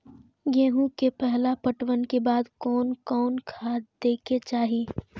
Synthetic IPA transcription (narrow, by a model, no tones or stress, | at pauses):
ɡeːɦũkepɛɦlapəʈwənkebaːd̪kɔːnkɔːnkʰad̪eːkʰet͡ʃaːɦi